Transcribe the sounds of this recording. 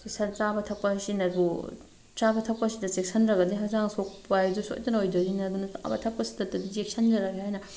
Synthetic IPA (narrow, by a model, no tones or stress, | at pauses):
ssɐɾzabɐtʰɐk̚pɐsinɐɾbu | t͡ʃabɐtʰɐk̚pɐsidɐt͡ʃek̚sʰɐnɾɐɡɐdiɦɐzaŋsokpajzuso̰jtɐnɐojdɐɡinɐdunɐa̰bɐ̰tʰɐk̚pɐsi̥dɐtːɐdid͡ʒek̚sʰɐnd͡ʒɐɾɐɡehajnɐ